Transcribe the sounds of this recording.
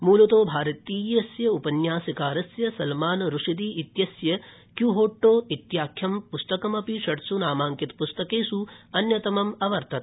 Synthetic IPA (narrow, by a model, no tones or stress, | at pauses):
muːlɐt̪oːbʱaːɾɐt̪iːjɐsjɐupɐnjaːsikaːɾɐsjɐsɐlmaːnɾuʂid̪iːʔit̪jɐsjɐ | kjuɦoːʈːoːit̪jaːkʰjɐmpust̪ɐkɐmɐpiʃɐʈsunaːmaːŋkit̪pust̪ɐkeːsuɐnjɐt̪ɐmɐmɐʋɐɾt̪ʰɐt̪